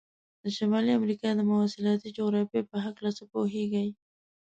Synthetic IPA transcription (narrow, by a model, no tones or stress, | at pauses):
d̪̥əʃamɑliamɾikɑd̪əmʊwasɪlɑt̪id͡ʒoɣɾɑfjepəɦaklat͡səpoɦeɡəj